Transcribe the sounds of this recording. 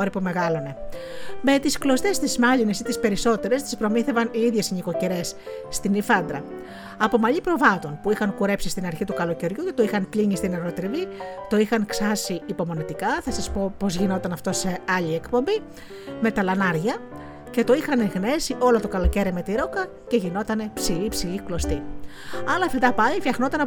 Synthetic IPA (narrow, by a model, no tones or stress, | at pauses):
oɾipome̞ɣɐlo̞ne̞ | me̞t̪isklo̞st̪e̞st̪izmɐʎine̞sit̪ispe̞ɾiso̞t̪e̞ɾe̞st̪i̥spɾo̞miθe̞vɐniiðʝe̞siɲiko̞ceɾe̞sːt̪inifɐnd̪ɾɐ | ɐpo̞mɐʎipɾo̞vɐt̪o̞npuixɐŋkuɾe̞psist̪inɐɾçit̪ukɐlo̞ce̞ɾʝuce̞t̪o̞ixɐnpliɲist̪ineɾɣot̪ɾivit̪o̞ixɐŋksɐsiːpo̞mo̞nit̪ikɐθɐsɐspo̞po̞zʝino̞t̪ɐnɐft̪o̞se̞ɐʎiekpo̞mbi | me̞t̪ɐlɐnɐɾʝɐ | ce̞t̪o̞ixɐneɣne̞siʔo̞lo̞t̪o̞kɐlo̞ce̞ɾime̞t̪iɾo̞kɐ | ce̞ʝino̞t̪ɐne̞psiʎipsiʎiklo̞st̪i | ɐlɐfid̪ɐpɐʎifçɐxno̞t̪ɐnɐ